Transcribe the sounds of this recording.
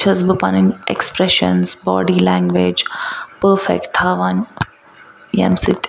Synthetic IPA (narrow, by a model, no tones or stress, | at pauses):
t͡ʃʰəzbəpa̰nɪ̃nʔḛkspɾɛʃə̰̃nzbɔ̰ːɖilæ̃ŋɡʋed͡ʒpəɾfɛ̰k̚ʈt̪ʰaːʋan | jɛ̰̃msɪt̪